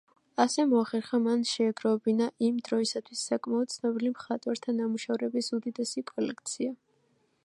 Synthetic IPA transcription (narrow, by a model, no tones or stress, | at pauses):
asɛmɔaχɛɾχamanʃɛːɡɾɔɛbinaʔimd̪ɾɔisat̪ʰwisːakʼmaɔd̪̚t̪sʰnɔbilimχat̪ʼwaɾt̪ʰanamuʃavɾɛbisud̪id̪ɛsikʼɔlɛk̚ʰt̪sʰia